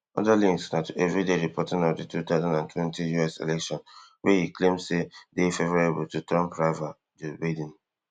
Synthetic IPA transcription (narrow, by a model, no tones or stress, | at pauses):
ɔ̰dalĩŋksnatʰuʔɛvɹideɹipʰɔtɪ̃ŋɔvditut̪aʊzãndãntwɛ̃ntijuɛsḛlɛkʃɔ̃nwehiklẽmsedefevɔɹebʊl̩tutɹɔ̃mpɹava | d͡ʒobadĩn